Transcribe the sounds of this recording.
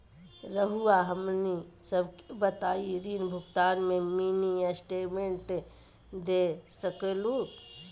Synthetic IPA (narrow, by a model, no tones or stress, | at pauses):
ɾəɦuaɦəmnisəbkebət̪aːiɾiːnbʱʊɡt̪aːnmẽmiːnijasʈeːʈmẽɳʈ | d̪esəkelu